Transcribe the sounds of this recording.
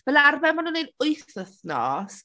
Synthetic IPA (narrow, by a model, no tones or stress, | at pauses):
vɛlˠarvɛmanuːnenʊɨθəθnɔ̰ːs